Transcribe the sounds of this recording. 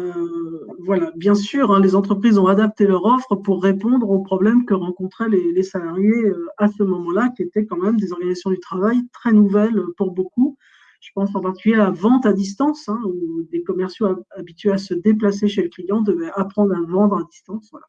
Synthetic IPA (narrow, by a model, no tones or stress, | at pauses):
ø | vwalabjɛ̃syʁɛ̃lezɑ̃t̪χəpχizɔ̃ad̪ap̚t̪elœʁɔfχəpuʁːepɔ̃d̪ʁopχɔblɛmkəʁɑ̃kɔ̃t̪χɛlelesalaʁjeøasəmɔmɑ̃lakʲiet̪ɛkɑ̃mɛmd̪ezɔʁɡanizasjɔ̃d̪ət̪χavajt̪χɛnuvɛløpuʁboku | ʒ̥ə̥pɑ̃sɑ̃paʁt̪i̥kʲyljelavɑ̃t̪ad̪is̬t̪ɑ̃sɛ̃ud̪ekɔmɛʁsjoaabit̪ɥeasəd̪eplaseʃeləklijɑ̃d̪əvɛapχɑ̃d̪ʁavɑ̃d̪ʁad̪ist̪ɑ̃svwala